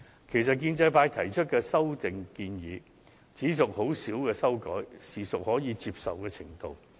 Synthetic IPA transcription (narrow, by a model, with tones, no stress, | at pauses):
kʰe˨˩js̬ɐ˨t̚k̬iː˧nt͡sɐ˧jpaː˧jt̪ʰɐ˨˩jt͡ʃʰɵ˥t̚kɛː˧sɐ˥wt͡sɪ˨ŋkiː˧njiː˨˥ | t͡siː˨˥sʊ˨k̚ho˨˥wsiː˨˥wkɛː˧sɐ˥wkɔ̰ː˨˥jsiː˨˩sʊ˨k̚hɔː˨˥jiː˨˧t͡siː˧p̚sɐ̰˨wkɛː˧t͡sʰɪ˨˩ŋt̪o̰˨˧w